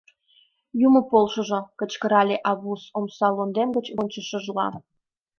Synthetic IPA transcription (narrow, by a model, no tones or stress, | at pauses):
jumə̆polʃə̆ʒŏkə̆t͡ɕkə̆ɾɑlʲeʔɑβusomsɑlond̪emɡət͡ɕonʲt͡ɕəʃəʒlɑ̰